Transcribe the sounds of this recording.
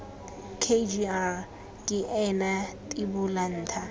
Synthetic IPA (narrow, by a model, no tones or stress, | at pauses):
kʰed͡ʒia | kʼɪʔɛnatʼɪbʊlan̩ːtʰa